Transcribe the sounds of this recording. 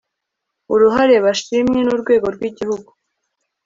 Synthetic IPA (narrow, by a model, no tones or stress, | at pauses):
uɾuɦaɾe̞βaʃimɲe̞nuɾɡwe̞ːɡo̞ɾɡwiːɟihuɡu